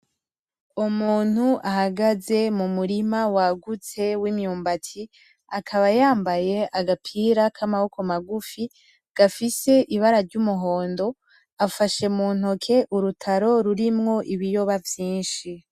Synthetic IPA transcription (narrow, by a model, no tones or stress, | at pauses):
umuːn̥huʔahaɡaze̞mumuɾimawaɡut͡se̞wimɲuːmbatʰi | akʰaβajaːmbaje̞ʔaɡapʰiːɾakʰamaho̞kʰo̞maɡufi | ɡ̥afise̞ʔiβaɾaɾɟumuɦo̞ːndo̞ | afaʃe̞mun̥okʰe̞ʔuɾutʰaɾo̞ɾuɾimŋo̞ʔiβijo̞βavjiːnʃi